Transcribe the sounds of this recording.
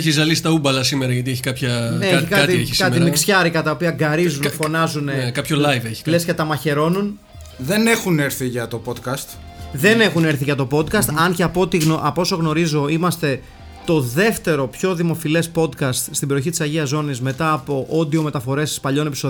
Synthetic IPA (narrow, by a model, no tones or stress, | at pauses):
eçizɐlisi̥t̪ɐubɐlɐsimeɾɐʝɐt̪ieçi̥kɐpçɐnetçikɐɐt̪eçiskɐmimiksçɐɾikɐt̪ɐopiɐɡɐɾizunefo̞nɐzunekɐpçollɐjveçi̥lescɐt̪ɐmɐçe̞ɾo̞nun | ðe̞ne̞xuneɾθiʝɐt̪o̞pod̪kɐst̪ | ðe̞ne̞xune̞ɾθiʝɐt̪o̞po̞d̪kɐst̪ɐnceɐpo̞t̪iɣoʔɐpo̞so̞ɣno̞ɾizo̞imɐst̪e̞ | t̪o̞ðe̞ft̪e̞ɾo̞pço̞ðimo̞file̞spo̞d̪kɐst̪st̪ibe̞ɾioçit̪isɐʝiɐzo̞nizme̞t̪ɐːpo̞ʔo̞d̪io̞me̞t̪ɐfo̞ɾe̞sspɐʎo̞ne̞piso